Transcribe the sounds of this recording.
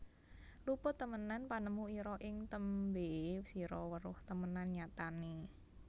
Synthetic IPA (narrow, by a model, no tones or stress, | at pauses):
lupʊt̪ːəmənanpanəmuiɾɔʔɪŋt̪əmbesiɾɔwəɾʊht̪əmənanɲat̪ani